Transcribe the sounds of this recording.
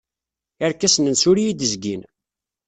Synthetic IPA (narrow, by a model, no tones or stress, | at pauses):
aɾkːæsənənsuɾijid̪əzɡin